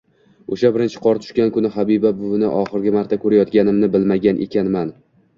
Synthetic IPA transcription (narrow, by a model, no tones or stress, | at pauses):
oʃabɪɾɪnt͡ʃʰɪ̥qʰɒɾt̪ʰʊ̥ʃkʲankʊnɪhabibabʊvɪnɪ̰ʔɒχɨɾɡʲɪmaɾt̪ʰakʰɵɾajɒt̪ɡʲanɪmnɪbɪlmaɡʲanʔe̞̰kʲanman